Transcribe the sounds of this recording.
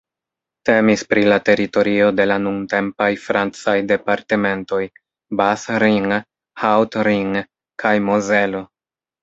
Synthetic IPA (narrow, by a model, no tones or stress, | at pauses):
te̞mispɾilate̞ɾito̞ɾio̞de̞lanuŋte̞mpajfɾant͡sajde̞paɾte̞me̞nto̞j | basɾiŋ | hawtɾiŋ | kʰajmozelo